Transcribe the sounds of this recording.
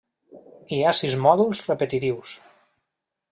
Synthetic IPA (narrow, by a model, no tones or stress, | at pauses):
iasizmɔðulˠzrəpət̪it̪iws